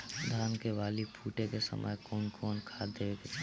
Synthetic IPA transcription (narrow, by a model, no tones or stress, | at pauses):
d̪ʱaːnkeʋaːlipʰuːʈekesə̰mʔə̰jkɔːnkʰɔːnkʰaːd̪eːʋeket͡ʃa